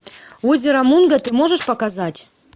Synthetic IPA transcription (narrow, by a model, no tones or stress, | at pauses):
ozʲɪɾɐmunɡət̪ɨmo̞ʐɨʂpɐkazatʲ